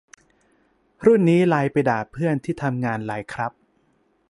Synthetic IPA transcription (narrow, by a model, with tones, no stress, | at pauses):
ɾu˥˩nːiː˦˥laː˧jpa˧jdaː˨˩pʰɯ˥˩ənt̪ʰiː˥˩t̪ʰa˧mŋaː˧nlaː˨˩˦jkʰɾa˦˥p̚